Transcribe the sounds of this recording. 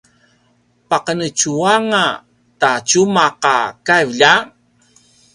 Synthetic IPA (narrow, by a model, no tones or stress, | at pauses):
paqənət͡ʃuaŋa | tat͡ʃumaqa̰kajvʎa